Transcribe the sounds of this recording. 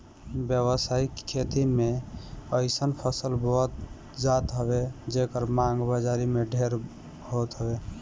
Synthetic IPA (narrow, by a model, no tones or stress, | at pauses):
bjəβəsaikʰːet̪imeəɪsənpʰəsəlbʱɔɦt̪ | d͡ʒat̪ɦəbed͡ʒekəɾmãŋɡbəd͡ʒaɾimeɖʱeɾ | ɦot̪ɦəbe